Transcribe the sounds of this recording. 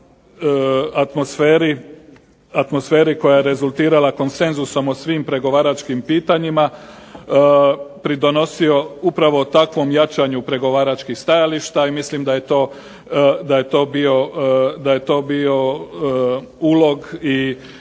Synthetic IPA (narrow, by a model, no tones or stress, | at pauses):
at̪mo̞sfeːɾi | at̪mo̞sfe̞ːɾiko̞jajeɾe̞zulˠt̪iːɾalako̞nse̞nzuso̞mosʋimpɾe̞ɡo̞ʋaːɾat͡ʃkimpiːt̪aɲima | pɾid̪o̞no̞sio̞upɾaʋo̞t̪akʋo̞mjat͡ʃaɲupɾe̞ɡo̞ʋaːɾat͡ʃkixst̪ajaliʃt̪aimislimd̪aje̞t̪o̞ː | d̪aje̞t̪o̞ːbio̞d̪aje̞t̪o̞ːbio̞ | uːlo̞ɡi